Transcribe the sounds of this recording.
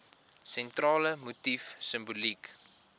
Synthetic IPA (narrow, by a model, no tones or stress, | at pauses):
sɛntrɑːləmutifsəmbulik